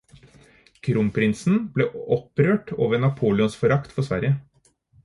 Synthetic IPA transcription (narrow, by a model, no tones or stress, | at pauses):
kʰɾʊmpʰɾɪnsn̩bleːɔpɾøːʈo̰ːʋəɾɳɑpʰuːlɪʊnsfɔɾɑkt̪fɔsʋæ̰ɾjə